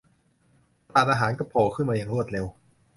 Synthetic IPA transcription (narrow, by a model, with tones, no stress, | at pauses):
t̪aː˨˩t̪̚ʔaː˧ɦaː˩˦nkɔ˥˩pʰoː˨˩kʰɯ˥˩nmaː˧ja˨˩ŋɾu˥˩ət̪̚ɾe˧w